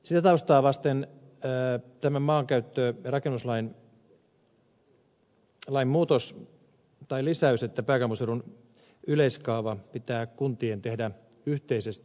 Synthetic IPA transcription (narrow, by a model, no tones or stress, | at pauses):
sit̪æt̪ɑust̪ɑːʋɑst̪enː | t̪æmæmmɑːŋkæyt̪ːøːrɑkenːuslɑin | lɑimmuːt̪os | t̪ɑilisæyset̪ːæpæːkæmuselun | yleiskɑːʋɑpit̪æːkunt̪ient̪ehdæ | yht̪eisest̪